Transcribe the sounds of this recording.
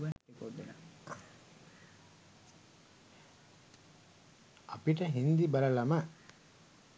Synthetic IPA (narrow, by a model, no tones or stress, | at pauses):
kod̪ | ɐpiʈɐɦind̪ibɐɾɐlɐmɐ